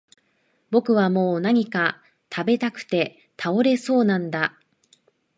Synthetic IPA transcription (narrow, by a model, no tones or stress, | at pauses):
bo̞kɯ̟β̞amo̞ːnaɲ̟ika | t̪ʰabe̞t̪akɯ̟̥t̪e̞ | t̪ʰao̞ɾe̞so̞ːnãnd̪a